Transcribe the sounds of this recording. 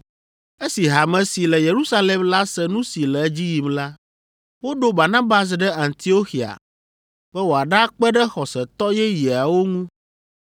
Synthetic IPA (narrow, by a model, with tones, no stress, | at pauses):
e˦si˨ɦa˨mɛ̃˨si˨lɛ˨je˨ɾu˦sa˦le˨mla˦sɛ˦nũ˦si˨lɛ˨˦d͡ʑi˦ji˨mla˦ | wo˦ɖo˦ba˨nã˦ba˨s̬ɖɛ˦a˨nt̪i˨˦o˦xi˨a̰˨ | b̥ɛ˦wo˨a˨ɖa˦k͡pɛ˦ɖɛ˦xɔ˨sɛ˨t̪ɔ˦jɛ˦ji˨a˨wo˦ŋũ˦